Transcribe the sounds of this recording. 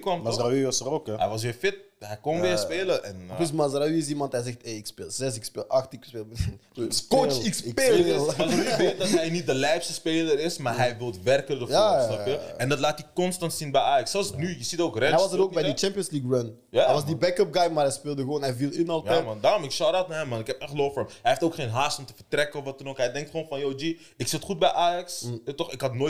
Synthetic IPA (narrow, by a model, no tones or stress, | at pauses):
kʋɔmmasaiʋɔsərokɦɛ̰jʋɑs̬ʋɪːfɪt̚ɦɛjkonʋeːspeːləʔɛnøsmasraʋiɪs̬imɑntɦɛjzɛxteɪkspeːlˠz̥ɛsɪkspeːlɑxtɪkspeːlmn | skoɪkspeːləvɪtdɦɛjnit̚dəlɛjfstəspeːləɾɪsmaːɦɛjʋɪlˠtʋɛrkərdəjaɔəɛndɑtlaːtikɔnstɑntsinbɛjaːjɑksːɛlˠsnyjəzitoːkrɛɛɑsəɾoːkbɛjdət͡ʃɛmpiənsliːkɹɔn | jaɛɑsdibɛkœp̚ɡajmaːɾɦɛjspɪːlˠdəɣəʋoːnɦɛjvilˠɪnɔlˠtjaɛmɑndaːɾɔmɪksɔwdɔtnaɦɛmːɑnɪkɦɛpɛχlowfəːmɦɛjhɪftoːkχeːnɦaːstɔmtəfərtrɛkəɔfʋɑtɔnokɦɛjdɛŋktχʋonfɑnjowd͡ʒi | ɪksɪtχut̚bɛjʔaːjɑkstɔχɪkɦɑtnoː